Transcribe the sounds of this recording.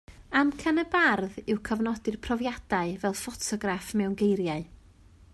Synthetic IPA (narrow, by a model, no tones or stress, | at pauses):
amkʰanəbarðɪwkʰəvnɔdɨrpʰrɔvjad̥aɨvɛlˠfɔtʰɔɡrafmɛwnɡejɾjaɨ